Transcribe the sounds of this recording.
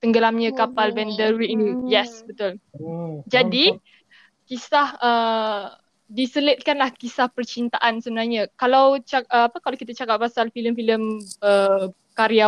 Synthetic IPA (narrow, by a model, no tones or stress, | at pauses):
t̪əŋɡəlamɲə̃kapalbɛndərwinijɛsbət̪ʊl | d͡ʒadi | kisahə | disələt̪̚kanlahkisahpərt͡ʃint̪aʔansəbənarɲəkalawt͡ʃaəapəkalawkit̪̬at͡ʃakap̚ːasalfiləmfiləmə | kaɾia